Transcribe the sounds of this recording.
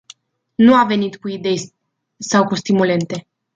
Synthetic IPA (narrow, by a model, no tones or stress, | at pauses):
nuave̞nit̪kuid̪e̞j | sawkust̪imule̞nt̪e̞